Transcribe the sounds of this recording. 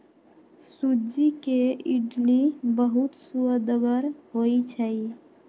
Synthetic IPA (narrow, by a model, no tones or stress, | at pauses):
sud͡ʒikeiɖlibəɦut̪suəd̪əɡəɾɦojt͡ʃʰəj